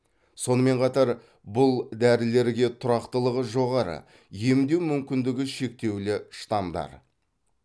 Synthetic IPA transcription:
so̞nəme̞ɴqʰɑt̪ɑɾ | bʊlˠd̪æɾɪle̞ɾɡʲe̞t̪ʰʊɾɑqt̪əlˠəʁəʒo̞ʁɑɾə̰ | je̞md̪e̞wmʏmkʲɪnd̪ɪɡʲɪʃe̞k̚t̪e̞wlɪʃt̪ɑmd̪ɑ̰ɾ

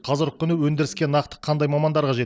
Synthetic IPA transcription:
qʰɑzəɾq̚kːʏnuwɵnd̪ɪɾɪskʲe̞nːɑqt̪ə̥qʰɑnd̪ɑjmɑmɑnd̪ɑɾqɑʒe̞t̪

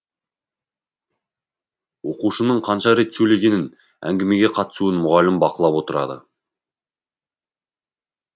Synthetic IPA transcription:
wo̞quʃənəɴqʰɑnʃɑɾe̞t̪sɵleɡʲe̞nɪn | æ̰ŋɡʲeme̞ɡʲeqʰɑt̪ə̥suənmʊʁɑlɪmbɑqəlˠɑpwo̞t̪əɾɑ̰d̪ə̰

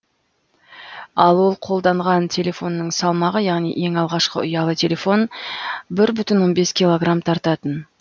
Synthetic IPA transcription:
ɑlˠwo̞lˠqʰo̞lˠd̪ɑɴʁɑnt̪ʲʰe̞lʲe̞fo̞nːəɴsɑlˠmɑʁəjɑʁnijʔe̞ŋɑlˠʁɑʃqə̰ʊjɑlˠət̪ʲʰe̞lʲe̞fo̞nbɪɾbʏt̪ɪnwo̞nbe̞skʲijlˠo̞ɡramt̪ʰɑɾt̪ɑt̪ən

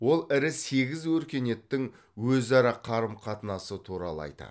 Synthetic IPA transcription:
wo̞lˠɪɾɪse̞ɡʲɪzwɵɾkʲe̞ne̞t̪ːɪŋ | wɵzɑɾɑqʰɑɾəmqʰɑt̪ənɑsət̪ʰuɾɑ̰lˠə̰ɑ̰jt̪ɑ̰

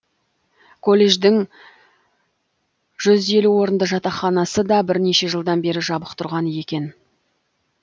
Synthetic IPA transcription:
kʰo̞lʲˠːe̞ʒd̪ɪŋ | ʒ̥ʏze̞luwo̞ɾənd̪əʒɑt̪ɑχɑnɑsəd̪ɑbɪɾne̞ʃe̞ʒəlˠd̪ɑnbe̞ɾɪʒɑbəqt̪ʰʊɾʁɑnəje̞kʲe̞n

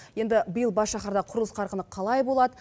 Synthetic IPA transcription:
je̞nd̪ɪbəjəlˠbɑsʃɑχɑɾd̪ɑqʰʊɾəlˠəsqʰɑɾqənəqʰɑlˠɑjbo̞lˠɑd̪ə

